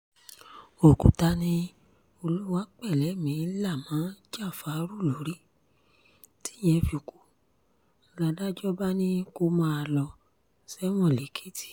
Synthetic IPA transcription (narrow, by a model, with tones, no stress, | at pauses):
o˨kṵ˨ta˧nĩ˧ | o˧lu˦wa˦k͡pɛ˦˨lɛ˨˦˨mĩ˨˦la˦˨mãː˨˦d͡ʒa˦˨fa˨˦ɾu˦˨lo˨˦ɾi˦ | ti̥˦j̃ɛ̃˧fi˧˨ku˨˦˧ | ɡa˧da˦d͡ʒɔ˦ba˦nĩ˦ko˧mã˧a˧lɔ˧ | sɛ˦w̃ɔ̃˦˨le˨˦kʰe˦ti̥˦˨